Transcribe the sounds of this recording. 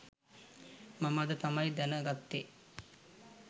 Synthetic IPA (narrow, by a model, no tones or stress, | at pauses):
mamad̪ət̪amajd̪ænəɡat̪ːe